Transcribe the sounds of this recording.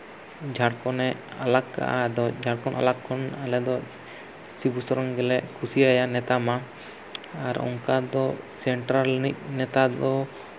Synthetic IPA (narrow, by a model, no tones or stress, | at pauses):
d͡ʒʱaɽkɔnɛalakːa̰ʔad̪ɔd͡ʒʱaɽkɔnʔa̰lakʰːɔnalɛd̪ɔ | sibusɔɾɔŋɡɛlɛʔkʰusiajanɛt̪ama | aɾɔ̰ŋkad̪ɔsɛɳʈɾalnit̪̚nɛt̪ad̪ɔ